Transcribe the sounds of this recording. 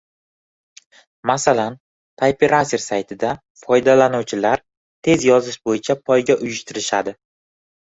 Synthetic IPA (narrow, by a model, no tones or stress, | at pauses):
masalan | t̪ʰajpʰeɾasɪɾsajt̪ʰɪd̪a | fɒjd̪alanuwt͡ʃʰɪlaɾ | t̪ʰe̞zjɒzɪʃbojɪt͡ʃʰapʰɒjɡʲaʔʊjɪʃt̪ʰɪɾɪʃad̪ɪ